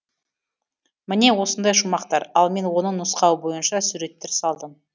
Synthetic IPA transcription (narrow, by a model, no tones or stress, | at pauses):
mɪne̞wo̞sənd̪ɑjʃʊmɑqt̪ɑɾɑlˠme̞nwo̞nəɴnʊsqɑwəbo̞jənʃɑsuɾe̞t̪ːeɾsɑlˠd̪əm